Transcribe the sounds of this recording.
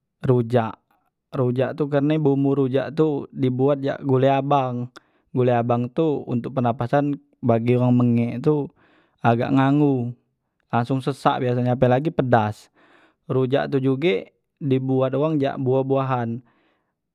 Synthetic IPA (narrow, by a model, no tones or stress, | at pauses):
ɾud͡ʒaʔ | ɾud͡ʒaʔt̪uk̬ərnabumuɾud͡ʒa̰ʔt̪udibuat̪̚d͡ʒa̰ʔɡuleabaŋ | ɡoleabaŋt̪uṵnt̪ʊk̚pənapasan | baɡioɣaŋməŋɛʔt̪u | aɡa̰ʔŋaŋu | laŋsʊŋsəsa̰ʔbias̬aɲaːp̬əlaɡipədas | rud͡ʒa̰ʔt̪ud͡ʒuɡe | dibuat̪oɣaŋd͡ʒa̰ʔbuabuaɦan